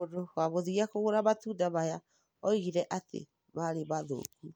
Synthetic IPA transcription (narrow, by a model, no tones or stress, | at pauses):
odowaβoðiiakoɣoɾaβatudaβaja | ɔiɣiɾɛʔatḛ | maɾeβaðo̰ːku